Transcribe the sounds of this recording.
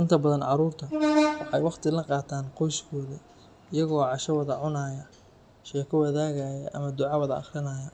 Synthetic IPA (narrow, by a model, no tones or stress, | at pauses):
ʔɪnt̪ʰɐbɐðɐnʕɑɾuːrt̪ʰɐwɑħɑjwɑχt̪ʰɪlɐqɑːt̪ʰaːnqɔjskʰɔːði | ɪjɐɣɔːʕɑʃɐwɑðɐʕʊnaːjɐ | ʃɛːkʰɔwɐðaːɣajɐʔɐmɐd̪ʊʕɑwɐðɐɑ̰χrɪnɐːjɐ